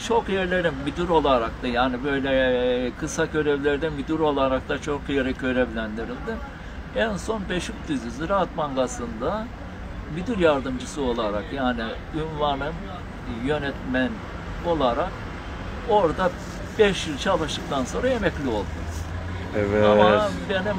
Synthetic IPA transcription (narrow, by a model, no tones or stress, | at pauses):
t͡ʃʰo̞kjɛɾlʲe̞ɾinːyd̪yɾo̞lˠaɾak̚t̪ajaːnibø̞jlʲɛkʰɯsacʰø̞ɾɛvlʲeɾd̪ɛmyd̪yɾo̞lˠaɾak̚t̪at͡ʃʰo̞kjeɾɛcʰø̞ɾɛvlʲænd̪iɾilʲd̪i | ænso̞nbeʃyk̚d̪yzyziɾat̪maŋɡasɯnd̪a | myd̪yɾjaɾd̪ɯmd͡ʒɯsɯo̞lˠaɾakjaːni | ynvanɯn | jø̞nɛt̪mæn | o̞lˠaɾak | o̞ɾd̪a | bɛʃjɯt͡ʃʰalˠɯʃt̪ɯk̚t̪ʰanso̞nɾajemɛclʲio̞lˠd̪uz̥ | ɛvamabeni